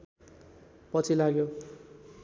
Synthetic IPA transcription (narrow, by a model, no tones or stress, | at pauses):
pʌt͡sʰilaɡjo